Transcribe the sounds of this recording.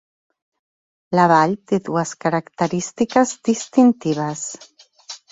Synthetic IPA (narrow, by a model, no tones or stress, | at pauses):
laβaʎt̪eðuəskaɾakt̪əɾist̪ikəzd̪ist̪int̪iβ̞əs